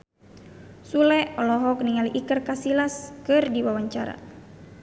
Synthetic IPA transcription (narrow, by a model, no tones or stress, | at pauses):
sulɛɔlɔɦɔk̚niŋaliʔikərkasilaskɨrdiwawaɲt͡ʃaɾa̰